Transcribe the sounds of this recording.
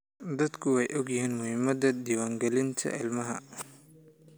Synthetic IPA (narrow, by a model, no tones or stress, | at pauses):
d̪ɐd̪kʰʊɛjʔɔɡjɪhiːnmʊhɪmɐd̪ɐd̪iːwaːŋɡɛlɪnt̪ʰɐ̰ʔɪlmɐɦɐ̰